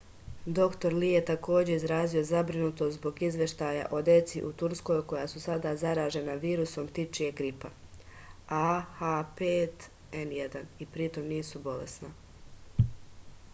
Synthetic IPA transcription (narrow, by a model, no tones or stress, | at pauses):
d̪o̞kt̪o̞ɾlije̞t̪ako̞ːd͡ʑe̞izɾaːzio̞zabɾinut̪ost̪zbo̞ɡizʋʲje̞ʃt̪aja̰ʔo̞d̪je̞t̪siʔut̪uɾsko̞jko̞jasusad̪azaɾaːʒe̞naʋiːɾuso̞mt̪it͡ʃije̞ɡɾipa | axapeːt̪ | enje̞d̪anipɾit̪o̞mniːsubo̞lḛsna